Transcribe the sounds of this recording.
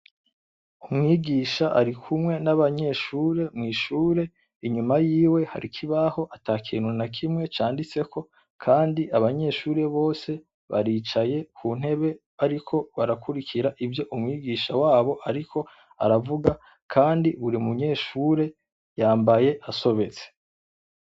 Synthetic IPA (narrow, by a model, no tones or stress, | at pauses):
umŋiːɡiːʃaʔa̰ɾikʰumŋe̞naβaɲe̞ʃuːɾe̞mŋiːʃuːɾe̞ | iɲumajiːwe̞ha̰ɾikʰiβaho̞ʔataːkʰḭːnhunakʰimŋe̞t͡ʃaːndit͡se̞kʰo̞ | kʰaːndiʔaβaɲe̞ʃuːɾe̞βo̞ːse̞ | βa̰ɾiːt͡ʃaje̞kʰuːn̥he̞βe̞ | aɾikʰo̞βaɾakuɾikʰiɾaʔivjo̞ʔumŋiːɡiːʃawaːβo̞ʔaɾikʰo̞ | a̰ɾavuɡa | kʰaːndiβuɾimuɲe̞ʃuːɾe̞ | jaːmbaje̞ʔaso̞βe̞t͡se̥